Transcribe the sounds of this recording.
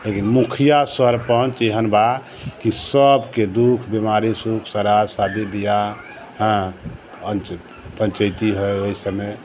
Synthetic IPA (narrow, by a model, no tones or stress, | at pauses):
lekinmukʰijasəɾpənt͡ʃeɦənba | kisəbked̪ukʰbimaɾisukʰsəɾaɾsad̪ibija | ɦə̃ | ənt͡ʃ | pə̃nt͡ʃəjt̪iɦojoisəme